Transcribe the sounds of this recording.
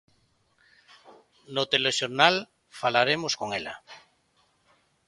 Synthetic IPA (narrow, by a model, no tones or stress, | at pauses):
not̪eleʃoɾnal | falaɾemoskoŋela̰